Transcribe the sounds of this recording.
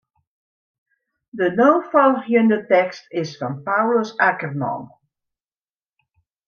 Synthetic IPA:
dənoːfɔlˠhjəndətɛkstɪsfɔnpawləsakərmɔ̰n

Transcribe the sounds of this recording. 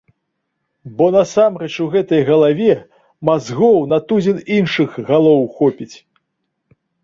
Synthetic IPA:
bɔnɐsamrɛt͡ʂuɣɛt̪ɐjɣɐlˠavʲɛ | mazɣɔwnɐt̪ud͡zʲininʂɨɣɣalˠɔwxɔpʲit͡sʲ

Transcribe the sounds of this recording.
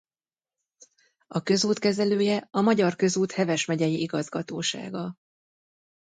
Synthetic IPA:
ɒkø̞zuːt̪kɛzɛløːjɛɒmɒɟɒrkø̞zuːt̪hɛvɛʃmɛɟɛjiʔiɡɒzɡɒt̪oːʃa̰ːɡɒ

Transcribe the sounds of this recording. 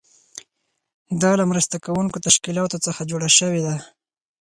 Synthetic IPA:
d̪ɑlamɾəst̪akawuŋkot̪aʃkilɑt̪ot͡səxad͡ʒoɽaʃəwed̪a

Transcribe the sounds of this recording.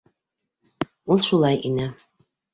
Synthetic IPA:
ulˠʃulˠɑjʔinɘ

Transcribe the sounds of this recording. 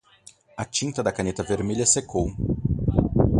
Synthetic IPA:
ɐt͡ʃĩnt̪ɐd̪ɐkɐnet̪ɐveɾmeʎɐsekow

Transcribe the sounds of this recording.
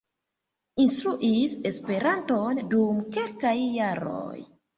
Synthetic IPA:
inst̪ɾuʔise̞spe̞ɾanto̞ndumke̞lkajːaɾo̰j

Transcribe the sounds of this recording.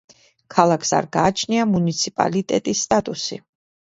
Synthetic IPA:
kʰalˠakʰsa̰ɾɡaːt͡ʃʰniamunit̪sʰipʼa̰lit̪ʼɛt̪ʼisːt̪ʼat̪ʼusḭ

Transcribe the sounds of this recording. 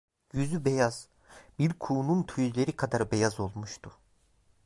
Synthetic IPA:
jyzybejaz̥ | biɾkʰuːnunt̪ʰyjlʲe̞ɾikʰad̪aɾbejazo̞lˠmuʃt̪ʰu

